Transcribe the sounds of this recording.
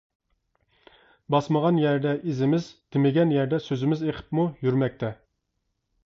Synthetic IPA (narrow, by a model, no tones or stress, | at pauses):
bɑsməʁɑnjæɾd̪ɛʔizɪmɪzt̪ʰɪmɪɡʲɛnjæɾd̪ɛsøzɪmɪzeqʰə̥pmujyɾmɛk̚ʲt̪ʰɛ